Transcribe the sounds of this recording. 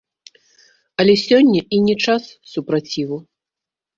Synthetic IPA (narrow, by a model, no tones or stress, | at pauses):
ɐlʲɛsʲɔnʲːɐʔinʲɛt͡ʂasːupɾat͡sʲivu